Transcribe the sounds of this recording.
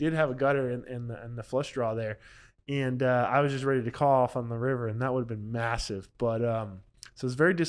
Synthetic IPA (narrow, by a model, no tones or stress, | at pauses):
dɨd̚ɨvɨɡʌɾə˞ɪ̃nʔɪ̃nɪ̃nðɨflʌʃdɹɔðə˞ | ɨ̃nʌa̰ɪwʌzd͡ʒʌst̚ɹɛɾiɾɨkʰɔlˠɔfn̩ðəɹɪvə˞ɨ̃nðət̚wʊɾəvbɨ̃nmæsɪvb̥ʌɾʌ̃m | soʊʌzvɛɹidɨs